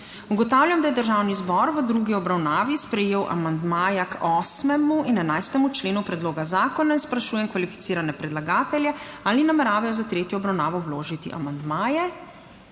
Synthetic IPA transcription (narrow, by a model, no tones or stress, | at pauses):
uɡɔt̪awlʲjamd̪ajɛd̪əɾʒawnizbɔɾʋəd̪ɾuɡiɔbɾawnaːʋispɾɛjeːwʔa̰mand̪maːjakɔːsmɛmuinɛnajst̪ɛmut͡ʃleːnupɾɛd̪loːɡazaːkɔnainspɾaʃuːjɛmkʋalifi̥t̪siːɾanɛpɾɛd̪laɡaːt̪ɛljɛaːlinamɛɾaːʋɛjɔzat̪ɾeːt̪jɔːbɾawnaːʋɔwloːʒit̪iʔa̰mand̪maːjɛ